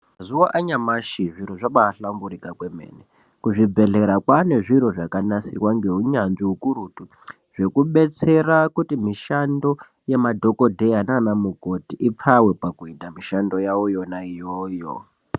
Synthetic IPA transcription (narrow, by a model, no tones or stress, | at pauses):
mazuwaʔaɲamaʃiʐiɾoʐaɓaːɬambuɾikakwe̞me̞̰ːne | kuʐib͡ve̞ɮe̞ɾakwane̞ʐiɾo̞ʐakanasirwaŋɡe̞ɦuɲanʐiukuɾutu | ʐ̥e̞kuɓe̞t͡se̞rakutimiʃando̞ | jemadʱo̞ko̞dʱe̞ananamuko̞tiʔip͡fawe̞pakuitamiʃando̞jawojonaijoːjo̰